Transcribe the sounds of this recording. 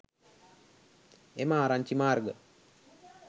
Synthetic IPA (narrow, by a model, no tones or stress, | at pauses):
emaːɾaɲt͡ʃimaːrɡə